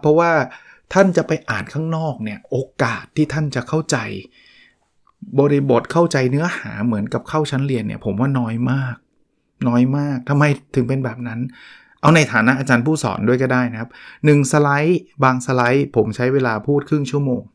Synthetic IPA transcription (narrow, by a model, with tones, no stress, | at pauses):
pʰɔ˦˥waː˥˩t̪ʰa˥˩nt͡ɕa˨˩pa˧jʔaː˨˩nkʰaː˥˩ŋnɔː˥˩k̚ni˥˩ɐʔoː˧kaː˨˩t̪ʰːiː˥˩t̪ʰa˥˩nt͡ɕa˨˩kʰa˥˩wt͡ɕa˧j | bɔː˧ɾi˦˥bo˨˩t̪̚kʰa˥˩wt͡ɕa˧jnɯ˦˥ɐha̰ː˩˦mɯ˩˦ənka˨˩p̚kʰa˥˩wt͡ɕʰa˦˥nli˧ənːḭ˥˩ɐpʰo˩˦mwaː˥˩nɔː˦˥jmaː˥˩k̚ | nɔː˦˥jmaː˥˩k̚t̪ʰa˧mːa˧jt̪ʰɯ˨˩˦ŋpe˧nbɛː˨˩p̚na˦˥n | ʔa˧wna˧jt̪ʰaː˩˦na˦˥ʔaː˧t͡ɕaː˧npʰuː˥˩sɔ̰ː˩˦ndu˥˩jkɔː˥˩daː˥˩jna˦˥kʰa˦˥p̚nɯ˨˩ŋsa˧la˦˥jbaː˧ŋsa˧la˦˥jpʰo˩˦mt͡ɕʰa˦˥jweː˧laː˧pʰuː˥˩t̪̚kʰɯ˥˩ŋt͡ɕʰu˥˩əmoː˧ŋ